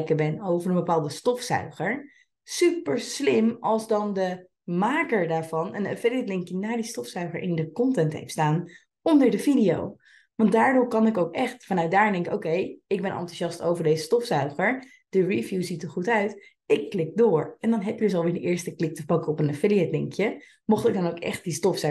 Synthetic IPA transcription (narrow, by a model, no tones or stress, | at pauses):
kəbɛnowvəɹə̃nbəpaːlˠdəstɔfsœ̰ɥχəɹ | sypəɹslɪmɑlˠzdɑndə | maːkəɹdaːɹvɑnənafɪliɛtlɪŋkənaːɹdistɔfsœɥχəɹʔɪ̰ndəkɔntɛntɦḛjftstaːn | ɔndəɹdəvidijo̰w | ʋɑntdaːɹdʊːɹkɑnɪkowkɛχtfɑnœɥt̚daːɹndɛ̃ŋkɪko̰wkejɪɡ̚bɛnʔɑ̰ntuʃɑstowvəɹdejzəstɔfsœɥχəɹ | d̥əɹivjuzitəɹχutœɥt | ɪkːlɪk̚dʊːɹɛndɑnɦɛpjədəsɑlˠʋɪːɹdəʔɪːɹstəklɪk̚təpɑkəɔpənafeliɛtlɪŋkjə | mɔχtɪɡ̚dɑnowkɛ̰χt̚distɔfsœ